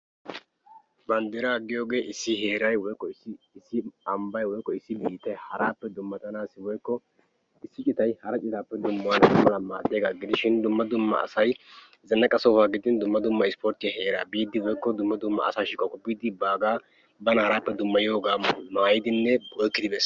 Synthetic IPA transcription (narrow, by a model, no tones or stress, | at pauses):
bɐnd̪ɛɾaɡːɪjo̞ːɡe̞ːʔɪsːɪɦe̞ːɾɐjwɔjkːɔsɪ | ɪsːɪɐmbɐjwɔjkːɔɪsːɪbiːt̪ːɐjhɐɾaːpːɛd̪ʊmːɐt̪ʼɐnaːsɪwɔjkːɔ | ɪsːɪt͡ʃʼɪt̪ɐjhɐɾɐt͡ʃʼɪt̪aːpːɛd̪ʊmːʊwɐnɐmɐlɐma̰ːd̪eːɡa̰ːɡɪd̪ɪʃɪnd̪ʊmːɐd̪ʊmːɐ̰ɐ̰sɐj | zɐnːɐkʼɐsɔfaːɡɪd̪ɪnd̪ʊmːɐd̪ʊmːɐɪspoːɾt̪ːɪjɐhe̞ːɾa̰ːbiːd̪ɪwɔjkːɔd̪ʊmːɐd̪ʊmːɐ̰ːsaːʃɪkʼɔkʼʊpːiːd̪ɪbaːɡaː | bɐnɐhɐɾaːpːɛd̪ʊmːɐjɪjo̞ːɡaːmaːjɪd̪ɪnːɛbɔjkːɪd̪ɪbɛs